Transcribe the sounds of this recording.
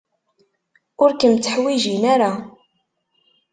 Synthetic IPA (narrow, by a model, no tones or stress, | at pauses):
ʊɾkəmt͡sːəħwiʒinaɾa